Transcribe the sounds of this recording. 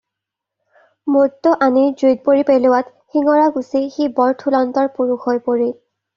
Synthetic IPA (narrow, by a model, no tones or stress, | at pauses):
motːɔʔaniɹzujt̚poɹipelʊwat | xiŋɔɹaɡusixibɔɹtʰulɔntɔɹpuɹuxojpoɹil